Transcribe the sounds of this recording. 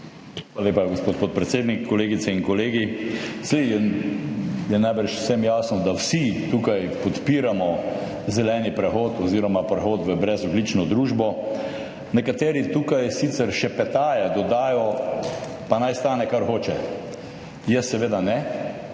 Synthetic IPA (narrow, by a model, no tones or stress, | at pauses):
alalepaɡospoːt̪poːt̪̚pɾɛt̪seːd̪nikʰːɔleːɡit̪sɛiŋkɔleːɡisejɛ | jɛnajbəɾʃʊ̥sɛmjaːsnɔd̪awsit̪uːkajpɔt̪piːɾamɔ | zɛlɛːnipɾɛxoːt̪ɔziːɾɔmapɾɛxoːt̪ʋəbɾɛzɔd̪lit͡ʃnɔd̪ɾuːʒbɔ | nɛkat̪eːɾit̪uːkajsit̪sɛɾʃɛpɛt̪aːjad̪ɔd̪aːjɔ | panajst̪aːnɛkaɾxoːt͡ʃɛ | jɛsːɛʋeːd̪anɛ